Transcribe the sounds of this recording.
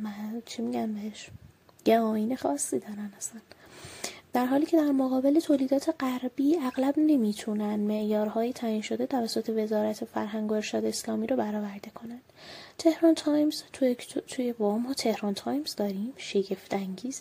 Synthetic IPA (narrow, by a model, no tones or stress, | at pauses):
mænt͡ʃʰimiɟæmbeheʃ | jæɒːiːnexɒːsːiːd̪ɒːɾænæsæn | d̪̥æɾɦɒːliːcʰe̞d̪æɾmoɣɒːbe̞le̞t̪ʰoːliːd̪ɒːt̪ʰeɢæɾbiːæɣlæbne̞miːt̪ʰunænd̪me̞ʔjɒːɾɦɒːjet̪ʰæjiːnʃod̪e̞t̪ʰævæsːot̪ʰe̞ve̞zɒːɾæt̪ʰefæɾɦæŋɡoeɾʃɒːd̪eslɒːmiːɾobæɾɒːvæɾd̪e̞kʰo̞nænd̪̥t̪ʰe̞hɾɒnt̪ʰɒːjmz̥t̪ʰet̪ʰujevomɒːt̪ʰehɾɒnt̪ʰɒːjmzd̪ɒːɾiːmʃe̞ɟe̞ft̪æŋɟiːz̥